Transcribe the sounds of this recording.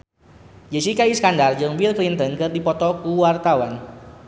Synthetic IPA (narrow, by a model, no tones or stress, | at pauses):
d͡ʒesikaiskandard͡ʒɨŋbilklint̪ənkɨrdipɔt̪ɔkuwart̪awan